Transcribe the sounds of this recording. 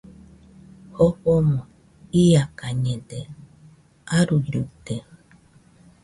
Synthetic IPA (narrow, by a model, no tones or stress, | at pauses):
hoɸomõ | ijakaɲẽde | aɾuɾut̪e